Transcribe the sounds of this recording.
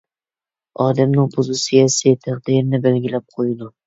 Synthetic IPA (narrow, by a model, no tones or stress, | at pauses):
ɒd̪amnɪŋpʰʊzʊsɪjʲasɪt̪ʰaqd̪ɪɾɪnɪbelɡʲɪlap̚qʰojd̪ʊ